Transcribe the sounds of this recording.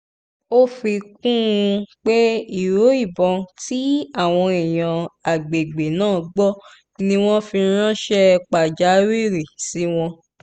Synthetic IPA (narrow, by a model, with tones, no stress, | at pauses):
o˦fi˧k̚ũ˦˧k͡pe˦i˦˨ɾo˨˦i˦˨bɔ̃˧ti˨˦a˦˨w̃ɔ̃˧ɛ˨j̃ã˨a˨ɡ͡be˨ɡ͡be˨nãː˦˨˧ɡ͡bɔ˦ | nĩ˦w̃ɔ̃˦fi˧˦ɾ̃ã˦ʃɛ˦k͡pa˨d͡ʒa˨˦wi˦˨ɾi˨si˨˦w̃ɔ̃˧